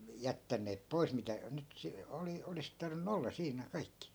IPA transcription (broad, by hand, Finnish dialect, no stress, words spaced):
jætːænːeːp pois mitæ nyt se oli olis tɑrʋinˑu olːɑ siːnæˑ kɑikːi